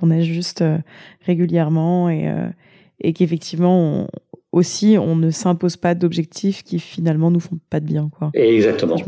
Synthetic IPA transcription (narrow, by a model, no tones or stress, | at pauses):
kɔ̃nɛʒyst̪øʁeɡʲyljɛʁmɑ̃ḛø̰ | ekefɛk̚t̪ʰivmɑ̰̃osiɔ̃nəsɛ̃pozpad̪ɔbʒɛk̚t̪ʰifkʲifinalmɑ̃nufɔ̃pad̪əbjɛ̃kwaɛɡzak̚t̪əmɑ̃